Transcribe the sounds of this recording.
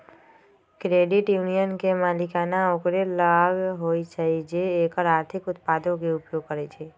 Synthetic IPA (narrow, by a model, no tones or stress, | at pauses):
kɾeɖɪʈjunijənkemalɪkanãokɾelaɡɦoid͡ʒʰaid͡ʒeːkəɾaːɾt̪ʰɪkʊt̪̚pad̪õkeʊpjoɡ̚kəɾet͡ʃʰe